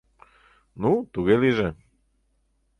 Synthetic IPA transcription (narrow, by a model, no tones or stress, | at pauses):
nut̪uɣeliʒɛ